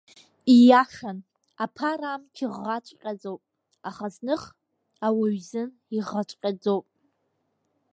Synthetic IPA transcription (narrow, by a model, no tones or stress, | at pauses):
ijaʂan | apʰaɾamkʲʰiʁːat͡ʃʷʼqʲʼad͡zowpʼ | aχaznɨχ | awaɥzɨn | iʁat͡ʃʷʼqʲʼad͡zowpʼ